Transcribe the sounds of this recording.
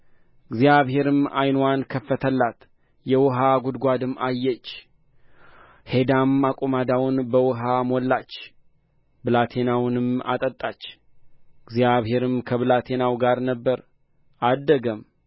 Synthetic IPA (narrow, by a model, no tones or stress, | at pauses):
ɨɡzjaβhe̞ɾɨma̰jnwankʰəfːət̪ʰəlːat̪ | jɛwɔɦaɡʷud̪ɡʷad̪ɨmajːɛt͡ʃː | he̞d̪amakʼumad̪awʊnbəwʊɦamolːat͡ʃː | bɨlat̪ʰe̞nawnɨma̰t̪ʼət̪ʼːat͡ʃː | ɡzjaβhe̞ɾɨmkʰəβɨlat̪ʰe̞nawɡaɾnəbːəɾ | ʔad̪ːəɡəm